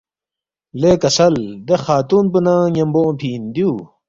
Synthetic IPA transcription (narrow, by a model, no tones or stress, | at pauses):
lekɐsɐld̪exaːt̪uːnpunãːjɐmbõpʰiːnd̪juː